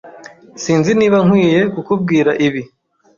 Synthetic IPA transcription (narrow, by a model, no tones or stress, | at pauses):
siːnziniːβaŋ̥wiːje̞kukub̚ɡiːɾaʔiβi